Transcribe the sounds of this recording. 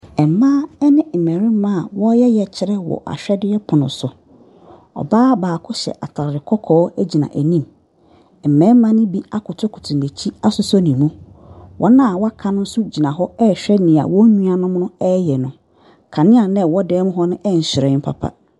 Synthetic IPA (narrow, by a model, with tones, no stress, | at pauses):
ɛ˨mãː˦ɛ˦nɪ̃˦m̩˨mɛ̃˨ɾɪ̃˦m˦mã˦˨wɔ˦jɛ˦jɛ˨t͡ɕʰɪ˦ɾɛ˦wɔ̰˨ʔa̰˨ɕᶣɛ˦dɪ˦ɛ˦pʰʊ˨nʊ̰̃˨sʊ˨ | ɔ̰˨baː˦baː˨kʰʊ˦ɕɛ̰˨ʔa˨tʰa˨ɾɾɪ˨kʰɔ˦kʰɔː˨˦æ˦d͡ʑi˨nã̰˨ʔæ˨nĩ˦m | m̩˨mɛ̃˨˦mã˦nɪ̃˦bi˦a˦kʰʊ˨tʰʊ˦kʰʊ̥˨tʰũ˨ne˨t͡ɕʰi˦a˦sʊ˦sɔ˦nĩ˨mũ˦wʔɔ˦nã˦a˨wɔ˦a˦kʰã˦nʊ̃˦n̩˦sʊ˦d͡ʑi˨nã˨ɦɔ˦ɛ˦˨ɕᶣɛ˦nĩ˨a̰˨wɔ̃˦ɲũ˦a˨nʊ̃˦m˦nʊ̃˦ɛ˦jɛ˨nʊ̃˨ | kʰã˨nɪ̃˦a˨nɛ̃˦˨wɔ˦dɛː˨˦mʊ̃˦ɦɔ˦nʊ̃˦ʔɛ˦˨n̩˨ɕɪ˨ɾɛ˨˦m̩˦pʰa̰˨pʰa̰˦